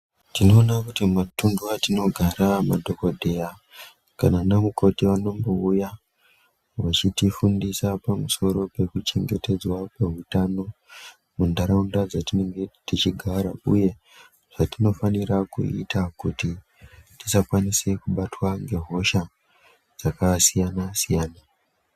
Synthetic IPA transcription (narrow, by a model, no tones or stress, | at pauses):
tino̞ːnakutimatunduatino̞ɡʱaɾamadʱo̞kodʱe̞ja | kananamuko̞tiʋano̞ŋbouja | ʋat͡ʃitifundisapamuso̞ɾo̞pe̞kut͡ʃe̞ŋɡe̞te̞d͡zwakwe̞ɦutano̞ | mundaɾaundad͡zatineŋɡetit͡ʃiɡʱaɾauje̞ | ʐ̥atino̞faniɾakṵḭtakuti | tisakwanise̞kuɓatwaŋɡe̞ɦo̞ʃa | d͡zakasijanasijaːna